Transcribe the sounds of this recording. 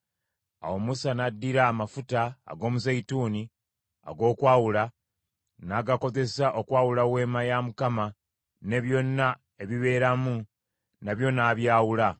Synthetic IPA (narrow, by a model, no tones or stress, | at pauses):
a̰wo̞musanadːiɾaːmafuta̰ːɡo̞ːmuzaituːni | a̰ɡo̞ːkwaːwula | naɡako̞ze̞saʔo̞kwaːwulawe̞ːmajamukama | ne̞βjo̞nːa | e̞βiβe̞ɾamu | naβjo̞naːβjaːwula